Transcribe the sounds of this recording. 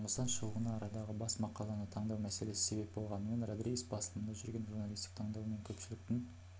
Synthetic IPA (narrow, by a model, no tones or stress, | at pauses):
ɴəlsɑnʃuʁənɑːɾɑd̪ɑʁəbɑsmɑqɑlˠɑnət̪ʰɑɴd̪ɑwmæse̞le̞sɪ̥se̞be̞p̚bo̞lˠʁɑnəmenrad̪ɾijsbɑslˠəmənd̪ɑʒʏɾɡʲe̞nʒuɾnɑlˠijst̪ɪk̚t̪ʰɑɴd̪ɑwme̞ŋkʲʰɵpʃɪlɪk̚t̪ɪn